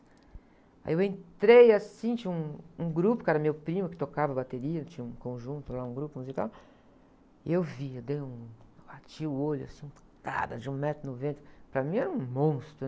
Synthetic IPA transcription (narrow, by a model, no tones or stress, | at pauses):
a̰jiewẽnt̪ɾejasĩt͡ʃĩũũɡɾupʊkɛɾɐmewpɾĩmʊkɪ̥t̪okavɐbat̪eɾiɐt͡ʃĩɲɐũkõʒũnt̪ʊlaũɡɾupʊmuzika̰w | ɪ̰ewviewd̪ejũbat͡ʃiʊoʎʊa̰sĩũ | ka̰d̪ɐd͡ʒɪũmɛt̪ɾʊnovẽnt̪ɾʊpɾɐmĩɛɾɐũmõst̪ɾʊ